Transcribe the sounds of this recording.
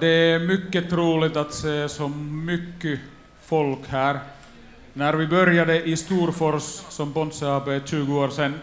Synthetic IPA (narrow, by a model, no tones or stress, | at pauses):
d̪ɛæɾmʏkːət̪ʰɾuːlɪt̪ɑt̪seːsɔmmʏkːə | fɔlkhæːɾ | næɾʋɪbœɾjad̪əʔɪst̪uːɾfɔɾssɔmbɔnsəɑːpəʃʉːɡəoːɾsɛnː